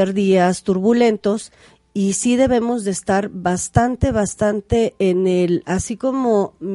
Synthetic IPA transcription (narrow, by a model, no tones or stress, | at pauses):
eɾðiast̪uɾβule̞nt̪o̞s | isið̞e̞βe̞mo̞zðeːst̪aɾβast̪ant̪e̞βast̪ant̪e̞ːnelasiko̞mo̞m